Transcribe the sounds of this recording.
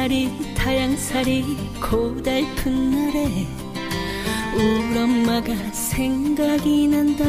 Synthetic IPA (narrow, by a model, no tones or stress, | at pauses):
aɾitʰajaŋsʰaɾi | kʰod̪aɭpʰɯnːɯɾe | uɾʌmmaɡa | sʰeŋɡaɡinɯnda